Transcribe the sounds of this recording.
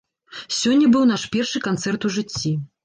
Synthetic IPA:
sʲɔnʲːɐbɨwnaʂpʲɛrʂɨkant̪sɛrt̪uʐɨt͡sʲːi

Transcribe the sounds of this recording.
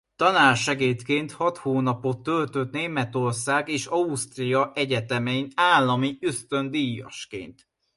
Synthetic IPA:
t̪ɒnaːrʃɛɡeːt̪keːnt̪hɒt̪hoːnɒpo̞t̪ːølt̪ø̞t̪neːmɛt̪o̞rsaːɡeːʃɒust̪rijɒʔɛɟɛt̪ɛmɛinaːlːɒmiøst̪ø̞nd̪ijɒ̰ʃkḛːnt̪

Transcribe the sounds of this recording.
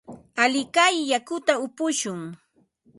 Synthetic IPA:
alɪkajːakʊt̪aʊpʊʃʊŋ

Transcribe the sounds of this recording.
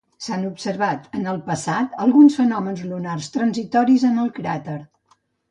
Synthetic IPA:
sanupsəɾβat̪ənəlˠpəsat̪əlˠɣunsfənɔmənzlunarst̪ɾənzit̪ɔɾizənəlˠkɾat̪əɾ

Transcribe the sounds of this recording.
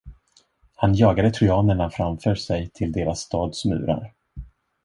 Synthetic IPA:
hanjɑːɡad̪ət̪ʰɾʏɑːnəɳafɾamfœːʂɛjt̪ʰɪld̪eːɾasːt̪ɑːd̪smʉ̟̰ːɾa̰ɾ

